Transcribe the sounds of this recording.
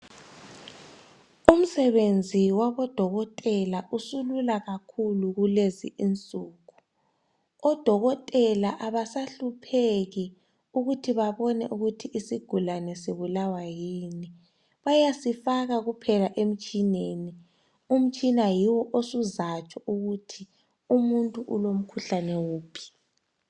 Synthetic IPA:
um̩sɛβend͡zʱiwaβɔd̥ʱɔɣɔtʼɛlaʔusululaɣakʰuluɣulezḭʔint͡sʼuːɣu̥ | ɔd̥ʱɔɣɔtʼɛlaʔaβasaɬupʰeɣi | uɣutʰiβaβɔnɛ̰ʔuɣutʰiʔisiɡ̥ʱulanɛsiβulawajiːni | βajasifaɣaɣupʰɛlaʔem̩t͡ʃʼineni | um̩t͡ʃʼinajiwɔʔosuzat͡ʃʼɔʔuɣutʰi | umuntʼuʔulom̩kʰuɬanɛwuːpʰi̥

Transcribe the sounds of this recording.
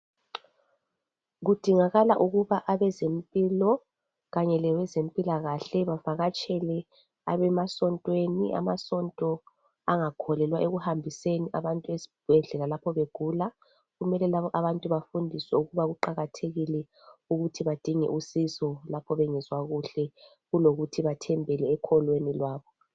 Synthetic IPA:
ɣud̥ʱiŋaɣalaʔuɣuβaʔaβɛzempʼiːlɔ | ɣaɲɛlɛwɛzempʼilaɣaɬɛβavaɣat͡ʃʼɛlɛ | aβɛmasɔntʼweniʔa̰masɔntʼɔ | aŋakʰɔlɛlwaʔeɣuhambʱiseniʔaβantʼuesi̥b̥ʱɛɮɛlalapʰɔβeɡ̥ʱula | ɣumɛlɛlaβɔʔaβantʼuβafundʱiswɛuɣuβaɣuǃaɣatʰeɣilɛ | uɣutʰiβad̥ʱiŋɛ̰ʔusisɔlapʰɔβɛŋɛzwaɣuɬɛ | ɣuloɣutʰiβatʰɛmbʱɛlɛːkʰɔlwenilwaːβɔ

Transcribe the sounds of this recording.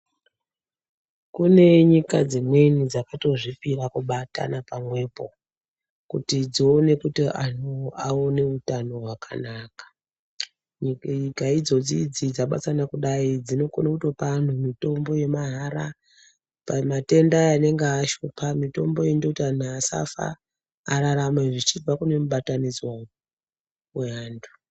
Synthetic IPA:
kune̞ɲikad͡zimwe̞nid͡zakato̞ʐifirakuɓata̰napamwe̞ːpo̞ | kṵtid͡zione̞kutiʔan̤uaone̞utano̞ɦwaka̰naːkḁ | ɲikaid͡zo̞d͡zid͡zid͡zaɓat͡sanakuɗaid͡zino̞konokutwopan̤umito̞mbo̞je̞maɦaɾa | pamate̞ndajane̞ŋɡaːʃopamito̞mbo̞indokutian̤aːsa̰fa̰ː | ɾaɾamaʐit͡ʃivakune̞muɓatanizwa | eaːndʰu̥

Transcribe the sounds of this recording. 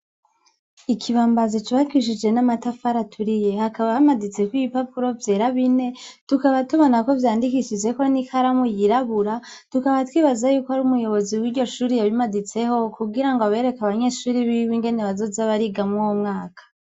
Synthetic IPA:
ikʰiβaːmbazit͡ʃuβakwiʃ̬id͡ʒe̞namatafaɾatʰuɾije̞hakaβamadit͡se̞kwiipapuɾo̞vje̞ːɾaβine̞tukaβatuβo̞nako̞vjaːndikiʃid͡ʒe̞ko̞nikʰaɾamujiɾaβuɾa | tukaβatwiːβazajuːkohaɾuːmujo̞βo̞ziwiːɾɟo̞ʃuːɾijaβimadit͡se̞ho̞kuɡiɾaŋɡoaβe̞ɾe̞kaβaɲe̞ːʃuːɾiβiwiŋɡe̞neβazo̞zaβaɾiɡamŋuwomŋaːkḁ

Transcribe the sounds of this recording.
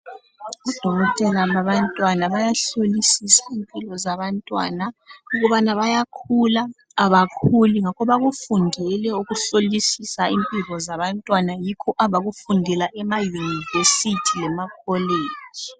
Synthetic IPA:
ud̥ʱɔɣɔtʼɛlaβaβantʼwanaβajaɬolisisaimpʼilɔzaβantʼwa̰nauɣuβanaβajakʰulaː | βakʰuliŋakʰɔβaɣufundʱɛlɛuɣuɬolisisaimpʼilɔzaβantʼwanajikʰɔʔaβaɣufundʱɛlaʔɛmajunivesitʰilɛmakʰɔleːd͡ʒ̥ʱi

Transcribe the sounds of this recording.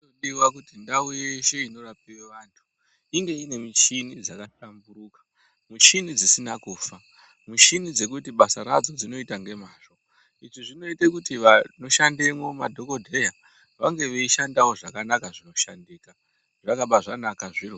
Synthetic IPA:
oɗiwakutindauje̞ʃe̞ino̞rap̚iweʋaːntʰu̥ | iŋɡe̞ine̞mit͡ʃinid͡zakaʃambuɾuːkḁ | mut͡ʃinid͡zisinakuːfa | mut͡ʃinid͡ze̞kutiɓasaɾad͡zo̞d͡zino̞itaŋɡe̞maːʂo | iʐiʐino̞itekutiʋano̞ʃandemomadʱo̞ko̞dʱe̞ja | ʋaŋɡe̞ʋeiʃandawo̞ʐakanakaʐino̞ʃandiːka | ʐakaɓaʐanakaʐiro

